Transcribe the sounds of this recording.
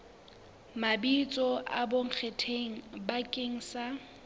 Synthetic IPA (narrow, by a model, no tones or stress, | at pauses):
mabit͡sʼɔʔa̰boŋ̩k͡xʰetʰeŋ̩bakʼeŋ̩sa